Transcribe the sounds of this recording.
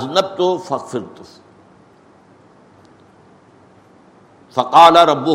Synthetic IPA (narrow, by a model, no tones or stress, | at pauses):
znɐb̚t̪ʊfɐɣfɪɾt̪ʊ | fɐqɑːlaɾˤɑbːʊ